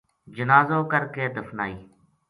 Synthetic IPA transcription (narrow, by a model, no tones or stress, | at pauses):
d͡ʒənaːzoːkəɾkeːd̪əfnaːiː